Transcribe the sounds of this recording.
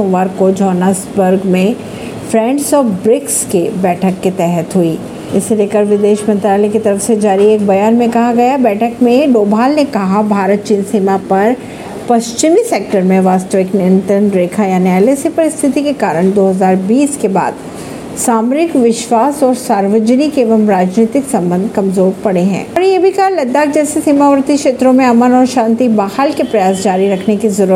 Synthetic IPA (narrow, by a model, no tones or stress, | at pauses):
õʋəɾkod͡ʒɔːnasbəɾɡmẽ | fʰɾɛ̃ːɳʈsɔːfbɾɪkskebɛːʈʰəkːet̪ɛɦət̪ɦuiː | ɪsːeleːkəɾʋɪd̪eːʃmɐ̃nt̪ɾaːlekit̪ɐɾəfsed͡ʒaːɾieːk̚bɐjaːnmẽkɐɦaɡɐjabɛːʈʰəkmẽɖoːbʱaːlnekɐɦabʱaːɾət̪̚t͡ʃiːnsiːmapɐɾ | pɐʃt͡ʃɪmiseːk̚ʈəɾmẽʋaːst̪əʋɪknɪ̃nʈ̪ənɾeːkʰajaːnialesepɐɾɪst̪ʰɪt̪ikekaːɾəɳ̃d̪oːɦɐzaːɾbiːskeba̰ːd̪ | saːmɾɪkʋɪʃʋaːsɔːɾsaːɾʋəd͡ʒənikeːʋəmɾaːd͡ʒniːt̪ɪksɐ̃mbə̃nd̪ʱkɐ̃mzoːɾpɐɽeɦɛ̰̃ːɔɾnejebʱikɐɦalɐd̪ːaːk̚d͡ʒɛːsesiːmaʋəɾt̪ikʃeːt̪ɾõmẽɐmənɔːɾʃãːnt̪ibaːhalkepɾɐjaːs̬d͡ʒaːɾiɾɐkʰnekizɐɾu